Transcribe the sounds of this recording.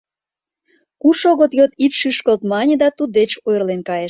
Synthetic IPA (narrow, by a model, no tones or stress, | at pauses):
kuʃoɣət̪jot̪it̪ʃyʃkəlt̪mɑnʲed̪ɑt̪ud̪et͡ɕojrlenkɑjeʃ